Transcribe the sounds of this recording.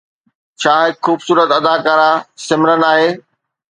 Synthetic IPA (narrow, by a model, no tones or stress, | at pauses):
t͡ɕʰaːɦɪkxuːbsuːɾət̪ɐd̪akaːɾasɪmɪɾənaːɦeː